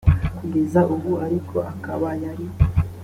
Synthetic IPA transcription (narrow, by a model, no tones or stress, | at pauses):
kuɡe̞zaʔuβuaɾikʰo̞aka̰βajaɾi